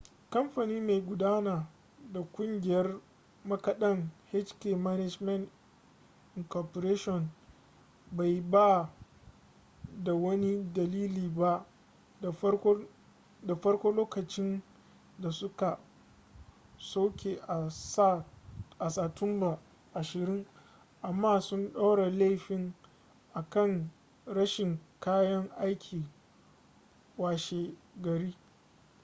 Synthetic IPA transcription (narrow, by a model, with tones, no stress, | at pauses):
kɐ˦mɸa˨niː˦ma˨jɡʷʊ˨daː˦naː˨ | da˨kʷʼʊ˦ŋɡʲɪ˨jɐ˦r | mɐ˦kɐ˨ɗɐ˦ŋhɛ˦t͡ʃkeː˨ma˦nɛ˦d͡ʒmɐ˦nt | ɪ˨ŋkɔ˨po˨ɾeː˦ʃɔ˨n | ba˨jbaː˦˨ | da˨wɐ˦ni˦dɐ˨liː˦liː˨ba˦˨˦ | da˨ɸɐ˦rkʷoː˦loː˦kɐ˨t͡ʃɪ˦n | da˨sʊ˦ka˨ | sa˦wkʲe˨ʔa˨˦ | ʔa˨saː˨tʊ˦mba˨ | ʔa˨ʃɪ˨ɾɪ˦ŋ | ʔa˨mːaː˦˨sʊ˦nɗa˦wɽa˨la˦˨ɸɪ˨ŋ | ʔa˨kɐ˦˨ŋ | ɽɐ˦ʃɪ˨ŋkaː˦jɐ˦ŋʔa˦jkʲʰiː˨ | waː˨ʃeː˨ɡɐ˨ɾiː˦